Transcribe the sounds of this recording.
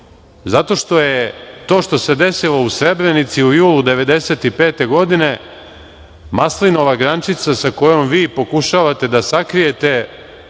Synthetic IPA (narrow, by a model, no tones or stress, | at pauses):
zat̪o̞ʃt̪o̞jet̪o̞ːʃt̪o̞se̞d̪e̞silo̞usɾe̞bɾenit̪siujuːlud̪e̞ʋe̞d̪e̞se̞ːt̪ipe̞ːt̪e̞ɡo̞d̪ine̞ | maslino̞ʋaɡɾant͡ʃit̪sasako̞jo̞mʋiːpo̞kuʃaʋat̪e̞d̪asakɾije̞t̪e̞